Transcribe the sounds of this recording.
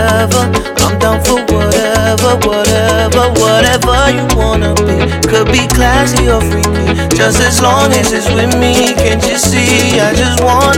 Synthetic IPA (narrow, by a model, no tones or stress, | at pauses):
ɛvə˞kʰʌ̃mdãʊ̃nfə˞wʌɾɛvə˞wʌɾɛvə˞wʌɾɛvə˞jɨwɑ̃nəbi | kʰɨd̚bikʰl̥æsiə˞fɹilĩ̥ | d͡ʒʌstɨzlɔ̃ŋɨzɨtswɪðmikʰɨ̃nt͡ʃɨsi | aɪd͡ʒʌst̚wɑ̃